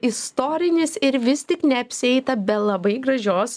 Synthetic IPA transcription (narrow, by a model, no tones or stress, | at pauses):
ɪst̪oːɾʲɪnʲɪsɪɾʋʲɪst̪ʲɪknʲɛɐpʲsʲɪɛɪt̪ɐbʲɛlˠɐbɐɪɡɾɐʒʲoːs